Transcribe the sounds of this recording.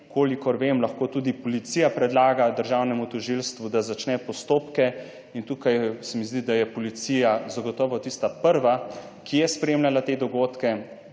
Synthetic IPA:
kʰoːlikɔɾʋemlaxkoːt̪ud̪ipɔlit̪siːjapɾɛd̪laːɡad̪əɾʒawnɛmut̪ɔʒilst̪ʋud̪azat͡ʃnɛpɔst̪oːpkɛ | int̪ukajsɛmizd̪id̪ajɛpɔlit̪sijazaɡɔt̪ɔːʋɔt̪ist̪apəɾʋa | kʰijɛspɾeːmlʲalat̪eːd̪ɔɡoːt̪kɛ

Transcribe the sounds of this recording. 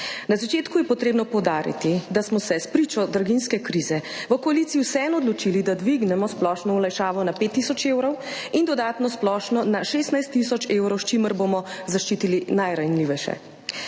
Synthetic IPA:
nazat͡ʃeːt̪kujɛpɔt̪ɾeːbnɔpɔwd̪aːɾḭt̪id̪asmɔsɛspɾiːt͡ʃɔd̪ɾɡinskɛkɾiːzɛʋəkɔaliːt̪siiwsɛɛnɔd̪lɔt͡ʃilid̪ad̪ʋiɡnɛmɔsplɔːʃnɔulajʃaːʋɔnapet̪ːisɔt͡ʃewɾɔwind̪ɔd̪aːt̪nɔsplɔʃnɔnaʃeːst̪najst̪ːisɔt͡ʃewɾɔwʃt͡ʃiməɾbomɔzaʃt͡ʃiːt̪ilinajɾanliːʋɛʃɛ̰

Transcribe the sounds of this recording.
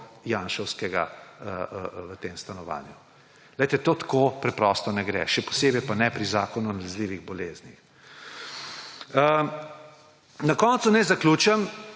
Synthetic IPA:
jaːnʃɔwskɛɡa̰əəʋət̪eːmst̪anɔʋa̰ːnju | lɛjt̪ɛt̪oːt̪ḁkoːpɾɛpɾɔst̪ɔnɛɡɾɛ̰ʃɛpɔ̥seːbɛjpanɛpɾizaːkɔnunalɛzliːʋiɣbɔleːznḭx | ə | nɐkɔnt̪sunɛzaklʲuːt͡ʃɛm

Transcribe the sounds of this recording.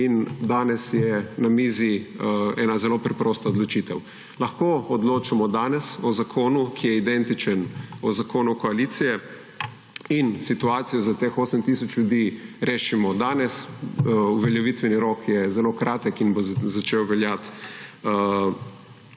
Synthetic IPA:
ind̪aːnɛsjɛnamiːziɛːnazɛloːpɾɛpɾoːst̪aɔd̪lɔt͡ʃiːt̪ɛw | lɐxkoːɔd̪loːt͡ʃamɔd̪aːnɛsɔzakʰoːnukʰijɛid̪ɛnt̪it͡ʃənɔzakʰoːnukɔaliːt̪sijɛ | insit̪uaːt̪sijɔzat̪exoːsəmt̪isɔt͡ʃljʊd̪iːɾeːʃimɔd̪aːnɛs | uʋɛljɛʋit̪ʋɛniɾokʰjɛzɛloːkɾʔaːt̪əkinbozat͡ʃewʋɛljat̪

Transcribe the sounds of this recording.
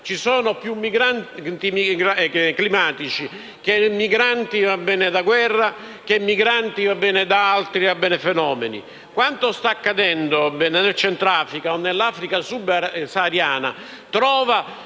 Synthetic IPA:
t͡ʃisoːnopjumːiɡɾannt̪imiɡaklimaːt̪it͡ʃi | k̟emːiɡɾant̪ivabːɛːned̪aɡwɛrːa | k̟emːiɡɾant̪ivabːɛːned̪aalt̪ɾiabːɛːnefɛnɔːmenḭ | kwant̪ost̪aːkːad̪ɛnd̪oabɛnenelt͡ʃɛnt̪ɾaːfɾikaonːelːaːfɾikasubsaaːɾjaːna̰ | t̪ɾɔːva

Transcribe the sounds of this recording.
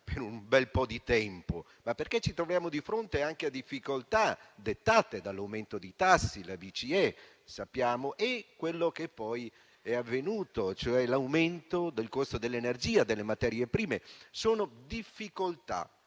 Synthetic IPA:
peɾumbɛlpɔd̪it̪ɛmpo | mapːerk̟et͡ʃːit̪ɾovɾjaːmod̪ifɾont̪eaŋk̟ead̪ifːikolt̪ad̪et̪ːaːt̪ed̪alːawment̪od̪ejt̪asːilabit͡ʃiɛ | sapːjaːmoʔekːwelːok̟epːɔj | ɛavːenuːt̪ot͡ʃoɛlawment̪od̪elkost̪od̪elːeːnerd͡ʒiːad̪elːemat̪ɛːɾjepɾiːmesoːnod̪ifːikolt̪a̰

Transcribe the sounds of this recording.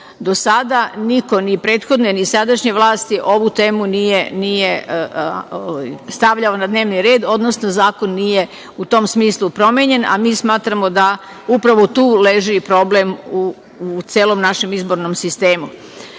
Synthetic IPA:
d̪o̞sad̪aniko̞nipɾe̞ːt̪xo̞d̪nonisad̪aʃɲeʋlˠaːst̪iʔo̞ʋut̪eːmunijenije | ojst̪aʋʎaonad̪ne̞ːʋniɾe̞ːd̪o̞d̪no̞snozaːko̞nːije̞ | ut̪o̞ːmsmiːslupɾo̞mjeɲe̞na̰miːsmaːt̪ɾamo̞d̪a | upɾaʋot̪uːleʒipɾo̞blemu | t̪sjeːlo̞mnaʃe̞mizbo̞ɾnomsist̪e̞ːmu

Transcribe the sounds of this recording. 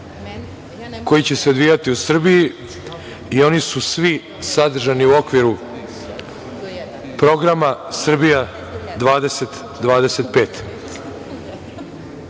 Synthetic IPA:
ko̞jit͡ɕe̞se̞od̪ʋijat̪iusr̩biji | io̞nisusʋi | sad̪r̩ʒaniuo̞kʋiɾu | pɾo̞ɡɾamasr̩bija | d̪ʋaːd̪eset̪ | d̪ʋaːd̪ese̞t̪̚pe̞ːt̪

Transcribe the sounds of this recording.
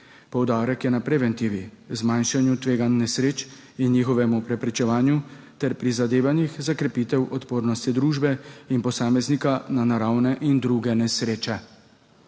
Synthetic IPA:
pɔwd̪aːɾɛkjɛnapɾɛʋɛnt̪iʋi | zmanʃanjut̪ʋeːɡanːɛsɾeːt͡ʃ | inːixɔʋɛmupɾɛpɾɛt͡ʃɛʋaːnju | t̪ɛɾpɾizad̪eːʋanixzakɾɛpiːt̪ɛwʔɔt̪poːɾnɔst̪id̪ɾuːʒbɛinpɔsaːmɛznikananaɾawnɛʔind̪ɾuɡɛnɛsɾeːt͡ʃɛ

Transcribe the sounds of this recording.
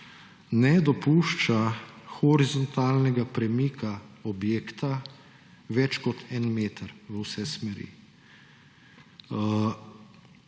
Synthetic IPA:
nɛd̪ɔpuʃt͡ʃaxɔɾizɔnt̪aːlnɛɡapɾɛmikʰaɔbjeːkt̪a | ʋɛt͡ʃkɔt̪ʰɛnmeːt̪əɾʋəwsɛsmɛɾḭ

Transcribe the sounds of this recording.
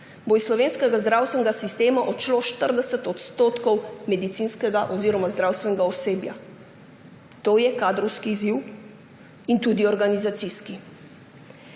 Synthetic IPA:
boisslɔʋeːnskɛɡazd̪ɾaːwst̪ʋɛnɡasist̪eːmaʔɔt͡ʃloʃt̪əɾd̪ɛsɛt̪ɔt̪st̪oːt̪kɔwmɛd̪it̪sinskɛɡaʔɔziːɾɔmazd̪ɾawst̪ʋɛnɛɡaɔseːbja̰ | t̪oːjɛkaːd̪ɾɔwskiːziw | int̪ud̪iɔɾɡanizat̪siski

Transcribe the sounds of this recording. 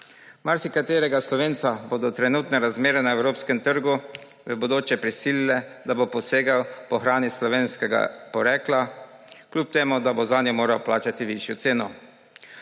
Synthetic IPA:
maɾsikat̪eːɾɛɡaslɔʋeːnt̪sabod̪ɔt̪ɾɛnuːt̪nɛɾazmeːɾɛnaɛwɾoːpskɛmt̪əɾɡu | ʋɛbod̪oːt͡ʃɛpɾisiːlilɛd̪abopɔseːɡawpɔxɾaːnislɔʋeːnskɛɡa̰pɔɾɛːklaklʲuːp̚t̪eːmud̪abozanjɛmoːɾawplaːt͡ʃat̪iʋiʃjɔt̪seːnɔ

